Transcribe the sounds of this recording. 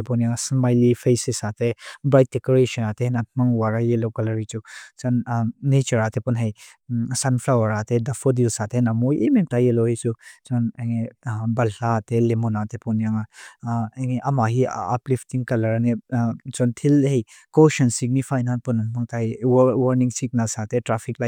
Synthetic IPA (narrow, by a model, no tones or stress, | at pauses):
tepɔnjaŋasmajlifʰejsisatʰebɾajt̚dekoɾeʃɐnateenat̪̚ʰmɐŋwaɾajelowkɐlɐɾit͡ʃuk̚t͡ʃɔnːet͡ʃɐɾatʰepunɦɐj | sanflawɐɾatʰedɐfʰodilsatʰenamojʔememtajelowhit͡ʃuk̚t͡ʃɔneŋebɐlatelemunat̪ʰepunjaŋa | eŋeʔɐmaɦia̰pliftiŋkɐlɐɾanet͡ʃɔntʰilhej | koʃɐnsik̚nifʰajnanpunanmaŋtʰajwwɐɾniŋsik̚nasat̪etɾapʰiklaj